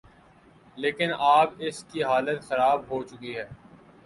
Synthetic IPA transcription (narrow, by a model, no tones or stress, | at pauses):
leːkɪnaːbɪskiɦaːlət̪xɐɾaːbɦoːt͡ʃʊkiɦɛː